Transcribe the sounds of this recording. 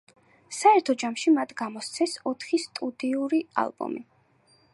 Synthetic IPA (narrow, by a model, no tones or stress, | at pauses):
saɛɾt̪ʰɔd͡ʒamʃimat̪ʰɡamɔst̪sʰɛsɔt̪ʰχist̪ʼud̪iuɾia̰lˠbɔ̰mi